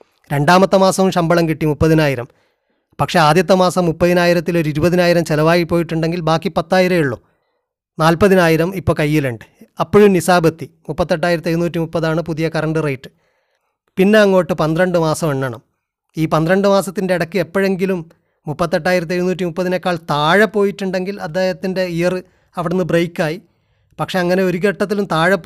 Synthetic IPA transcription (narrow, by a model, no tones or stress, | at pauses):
ɾe̞ɳɖaːmɐt̪ːɐmaːsɐʋumɕɐmbɐɭɐmkiʈːimupːɐðinaːjiɾɐm | pɐkʂe̞aːd̪jɐt̪ːɐmaːsɐmːupːɐðinaːjiɾɐt̪ːilo̞ɾuiɾubɐðinaːjiɾɐmt͡ɕelɐʋaːjipːoːjiʈːuɳɖe̞ŋɡilbaːkːipɐt̪ːaːjiɾɐjiɭːo̰ | naːlpɐðinaːjiɾɐmipːo̞ːkɐjːileɳɖɨɐpːoɻumnisaːbɐt̪ːimupːɐt̪ːe̞ʈːaːjiɾɐt̪ːeɾunuːtːimupːɐðaːɳɨpuðijɐkɐrɐɳɖɨrejʈːɨ̥ | pinːe̞ɐŋːo̞ːʈːɨpɐnd̪rɐɳɖɨmaːsɐmeɳːɐɳɐ̰m | iːpɐnd̪ɾɐɳɖɨmaːsɐt̪ːinde̞iɽɐkːɨepːoɻe̞ŋɡilumː | upːɐt̪ːe̞ʈːaːjiɾɐt̪ːiɐjɾunuːtːimupːɐðinekːaːɭt̪aːɻɐpːo̞ːjiʈːuɳɖe̞ŋɡilɐd̪ːeːhɐt̪ːinde̞ijɐrɨ | ɐʋiɽenːɨbrejkːaːji | pɐkʂe̞ɐŋːɐne̞o̞ɾuɣeʈːɐt̪ːilumt̪aːɻɐp